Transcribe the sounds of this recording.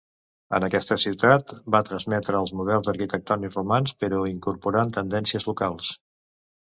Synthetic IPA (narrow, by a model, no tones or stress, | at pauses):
ə̰nəkɛst̪əsiwt̪at̪bat̪ɾəzmɛt̪ɾəːlˠzmuð̞ɛlˠzd̪əɾkit̪ək̚t̪ɔnjiufumanspəɾɔiŋkuɾpuɾaənt̪ənd̪ɛnsiəzlukalˠs